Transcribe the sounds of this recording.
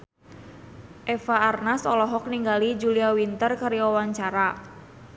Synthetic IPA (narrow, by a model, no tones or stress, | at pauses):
ʔɛfaarnasɔlɔɦɔk̚niŋɡalid͡ʒuliawint̪ərkaɾiɔwaɲt͡ʃaɾa